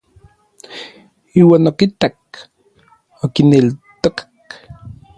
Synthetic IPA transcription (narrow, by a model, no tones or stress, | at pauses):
iːwaːnokit̪ak | okinelt̪okḁk